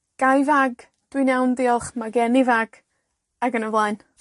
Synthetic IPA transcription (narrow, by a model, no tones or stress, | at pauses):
ɡ̥ajvaɡ | d̥wɨnawndɪɔlˠχmaɡɛnivaɡ̥ | aɡənəvlˠaɨn